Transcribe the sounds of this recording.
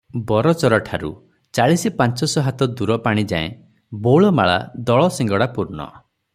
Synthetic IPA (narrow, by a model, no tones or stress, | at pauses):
bɔɾɔt͡ʃɔɾɔʈʰaɾṵ | t͡ʃaɭisipant͡ʃɔsɔɦat̪ɔd̪uɾɔpaɽ̃id͡ʒa̰ḛ̃ | boɭɔmaɭa̰d̪ɔɭɔsĩŋɡɔɽapuɾɳɔ̰